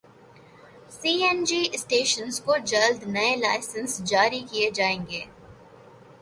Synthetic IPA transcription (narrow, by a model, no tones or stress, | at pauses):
siːɛnd͡ʒiːsʈeːʃənzkod͡ʒɐld̪nɐelaːɪsə̃nsd͡ʒaːɾikied͡ʒaːẽːŋɡeː